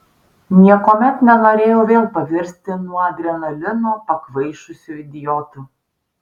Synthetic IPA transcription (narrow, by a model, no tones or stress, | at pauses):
nʲiɛkoːmʲɛt̪nʲɛnoːɾʲeːjoːʋʲeːlˠpɐʋʲɪɾʲsʲt̪ʲɪnuɔɐd̪ʲɾʲɛnɐlʲɪnoːpɐkʋɐɪʃʊsʲuɪd̪ʲɪjɔːt̪uː